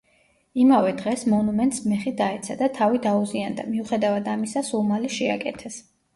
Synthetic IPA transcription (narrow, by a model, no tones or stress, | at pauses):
imavɛd̪ʁɛsmɔnumɛnt̪ʼsmɛχid̪aɛt̪sʰad̪at̪ʰavid̪auziand̪a̰miuχɛd̪avad̪amisasulˠmaliʃɛakʼɛt̪ʰɛs